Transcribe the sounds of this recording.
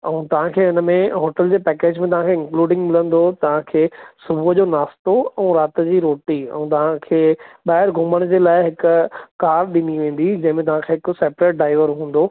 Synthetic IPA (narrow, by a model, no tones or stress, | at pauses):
ɛũːt̪ɐʋ̤ãkʰeːʊnəmẽɦoːʈəld͡ʑeːpɛːkeːd͡ʑmẽt̪ɐʋãkʰeɪ̃ŋkluːɖɪ̃ŋɡmɪlə̃nd̪ot̪ɐʋ̤ãkʰeːsʊbʱuəd͡ʑoːnaːst̪oɛ̃ːɾaːt̪ə̆d͡ʑiːɾoːʈiɛ̰̃ũːt̪ɐʋ̤ãkʰeːɓaːɦɪɾɡʱʊməɽ̃d͡ʑeːlaːɪɦɪkʊkaːɾɾɗɪniʋẽːn̆d̪id͡ʑɐ̃ɦɪ̃mẽt̪ɐʋ̤ãkʰeːɦɪkʊseːpɾeːʈ̚ɖaːɪʋəɾɦũːn̆d̪o